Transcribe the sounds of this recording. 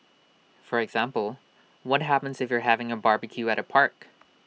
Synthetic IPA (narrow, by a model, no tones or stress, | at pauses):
fə˞ɨɡz̥æ̃mpl̩ˠ | wʌt̚ɦæpɨ̃n̩zɨfjə˞ɦævɪ̃ŋɨbɑɹbɨkʰjʉɨɾʔɨpʰɑɹk